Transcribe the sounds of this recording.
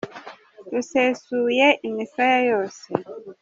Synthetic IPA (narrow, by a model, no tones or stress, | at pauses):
lusesujɛʔimisajajɔsɛ